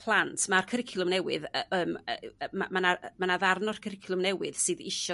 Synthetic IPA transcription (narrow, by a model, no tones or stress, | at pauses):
pʰlˠantʰmarkʰəɾɪkʰjlˠʊmnɛwɨðəːməamanamanaðarnɔr̥kʰəɾɪkʰjlˠʊmnɛwɨðsɨðɪʃɔ